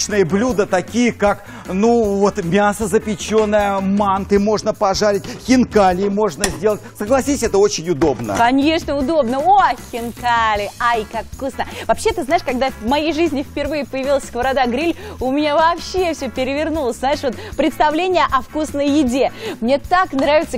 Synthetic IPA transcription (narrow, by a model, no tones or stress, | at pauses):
nɨjəblʲud̪ət̪ɐkʲijəkak | nuvo̞t̪mʲasəzəpʲɪt͡ɕo̞nːəjəmant̪ɨmo̞ʐnəpɐʐaɾʲɪt̚ʲxʲɪnkalʲɪmo̞ʐnəzʲdʲe̞lˠətʲsəɡlˠɐsʲisʲɛt̪əo̞t͡ɕɪnʲʊd̪o̞bnə̰kɐnʲe̞ʂnəʊd̪o̞bnəoxʲɪnkalʲɪajkakfkusnəvɐpɕːet̪ɨznaɪʂkɐɡ̚d̪avmɐjejʐɨzʲnʲɪfpʲɪrvɨjɪpəjɪvʲilˠəsʲkvəɾad̪aɡɾʲilʲʊmʲɪnʲavɐːpɕːefsʲɵpʲɪɾʲɪvʲɪrnulˠəsʲznajɪʂvo̞t̪̚pɾʲɪt̪st̪ɐvlʲenʲɪjəʔɐfkusnəjːɪdʲemnʲe̞t̪aknɾavʲɪt̪sə